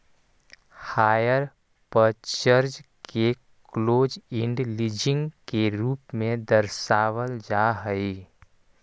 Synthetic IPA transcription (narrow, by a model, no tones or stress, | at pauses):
haːjəɾ | pət͡ʃəɾd͡ʒkʰe | kloːd͡ʒɪ̃ɳɖlid͡ʒɪ̃ŋɡkeɾuːpmẽd̪əɾʃaːʋəld͡ʒaːɦəi